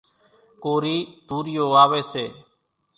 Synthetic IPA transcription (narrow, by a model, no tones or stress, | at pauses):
koːɾiːd̪̥uːɾɪjoːaːʋeːseː